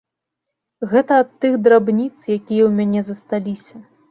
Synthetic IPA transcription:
ɣɛt̪ɐːt̪ːɨɣd̪ɾabnʲit̪sjakʲijɐwmʲanʲɛzɐst̪alʲisʲɐ

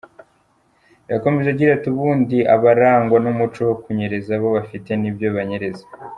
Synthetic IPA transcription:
jako̞meʒeɟiɾatiuβuːndiʔaβaɾaːŋɡwanumut͡ʃowokuɲe̞ɾe̞zaβo̞βafite̞nibɟo̞βaɲe̞ɾe̞zḁ

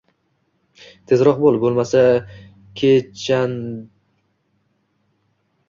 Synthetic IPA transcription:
t̪ʰe̞zɾɒq̚bolˠbolˠmasa | kʲʰet͡ʃʰan

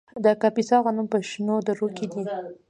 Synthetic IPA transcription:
d̪əkapisɑɣənumpəʃnod̪əɾokid̪i

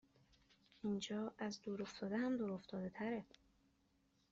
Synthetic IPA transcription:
ʔind͡ʒɒːæzd̪uːɾo̞ft̪ʰɒːd̪eɦæmd̪uːɾo̞ft̪ʰɒːd̪e̞t̪ʰæɾe

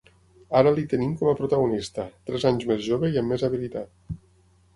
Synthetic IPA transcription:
aɾəlit̪ənimkɔməpɾut̪aɣunist̪ət̪ɾɛzaɲzmezʒoβeiəmːezaβilit̪at̪̚

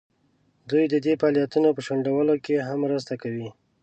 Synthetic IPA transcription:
d̪ujd̪əd̪efɑljat̪unopəʃoɳɖawəlokeɦamːɾəs̬t̪akawi

